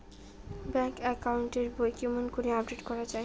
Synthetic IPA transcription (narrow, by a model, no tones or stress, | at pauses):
bɛŋkɛkauɳʈeɾbojkimonkoɾeab̚ɖeʈkɔɾad͡ʑae